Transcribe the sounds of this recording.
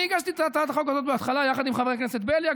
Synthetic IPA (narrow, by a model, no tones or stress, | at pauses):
iɡaʃt̪it̪aat̪aat̪aχo̞k̬azo̞t̪beat̪χalajaχad̪imχaveʁekneset̪belja